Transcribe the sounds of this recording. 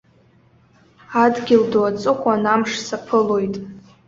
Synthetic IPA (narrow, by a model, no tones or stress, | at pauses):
adɡʲɪldoat͡sʼɨχʷʼanamʂsapʰɨlo̞jtʼ